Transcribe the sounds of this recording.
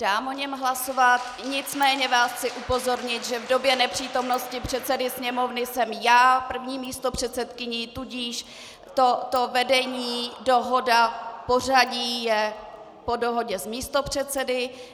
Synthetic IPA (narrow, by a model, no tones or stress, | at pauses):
d̥aːmoɲɛmɦlaso̞vat̪̚ | ɲɪt͡smɛːɲɛvaːsxt͡sɪʔupo̞zo̞ɾɲɪt̪ʒɛvdo̞bjɛnɛpr̝̥iːt̪o̞mno̞scɪpr̝̥ɛt̪sɛdɪsɲɛmo̞vnɪsɛmjaːpr̩vɲiːmiːst̪o̞pr̝̥ɛt̪sɛt̪kɪɲit̪uɟiːʃ | t̪ot̪o̞vɛdɛɲiːdo̞ɦo̞dapor̝aɟiːjɛ | po̞do̞ɦo̞ɟɛsmiːst̪o̞pr̝̥ɛt̪t͡sɛdɪ